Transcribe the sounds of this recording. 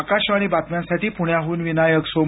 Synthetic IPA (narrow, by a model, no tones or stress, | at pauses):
kaɕaɽ̃ibat̪mjansaʈiːpuɳjaɦuːnʋinajəkso